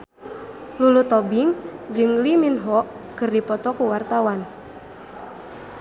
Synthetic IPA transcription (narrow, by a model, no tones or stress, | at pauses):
lulut̪ɔbiŋd͡ʒɨŋliminɦɔʔ | kɨrdipɔt̪ɔkuwart̪awan